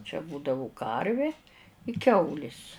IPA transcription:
t͡ʃʲɛ ˈbuːdɐʋʊ ˈkɐrʲʋʲɪ ɪ ˈkʲɛʊlʲɪs

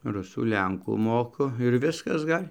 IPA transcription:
ˈrʊsuː ˈlʲɛŋkuː ˈmoːkʊ ɪr ˈʋʲɪskɐs ˈɡɐlʲ

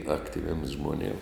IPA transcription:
ˈɑːktʲɪʋʲiɛms ʒmoːˈnʲeːm

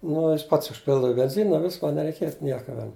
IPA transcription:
nʊ ˈjɪs ˈpɐts ʊʃʲˈpʲɪlˠdɐʋɐ ɪ bʲɛnʲˈzʲɪnɐ ˈʋʲɪskɐ nʲɛrʲɛɪˈkʲeːt ˈnʲiɛkɐ ˈʋʲɛn

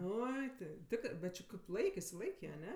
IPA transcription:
ˈoːɪ tʲɪ ˈtʲɪkrɜ bʲɛt t͡ʃʲɪ kɐɪp ˈlˠɐɪk ɪʃʲsʲɪˈlˠɐɪkʲeː ɐˈnʲɛ

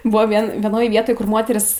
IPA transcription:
ˈbʊʋoː ˈʋʲiɛn ʋʲiɛˈnoːjɛ ˈʋʲiɛtoːj kʊr ˈmoːtʲɛrʲiːs

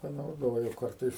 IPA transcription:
pɐnɐʊˈdoːjʊ ˈkɐrtɐɪs

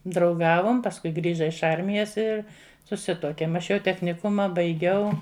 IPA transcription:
drɐʊˈɡɑːʋoːm pɐsˈkʊɪ ˈɡrʲiːʒɐ ɪʃ ˈɐrʲmʲɪjɛs ɪr sʊˈsʲɪtuɔkʲeːm ɐʃ ˈjɛʊ tʲɛxʲnʲɪˈkʊmɐ bɐɪˈɡʲɛʊ

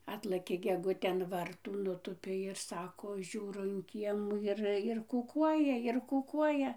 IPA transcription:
ˈɑːtlˠɘkʲeː ɡʲɛˈɡʊtʲeː ɐn ˈʋɐrtuː nʊˈtuːpʲeː ɪr ˈsɑːkoː ˈʒʲuːroː ɪn ˈkʲiɛmuː ɪr ɪr kʊˈkuɔjɛ ɪr kʊˈkuɔjɛ

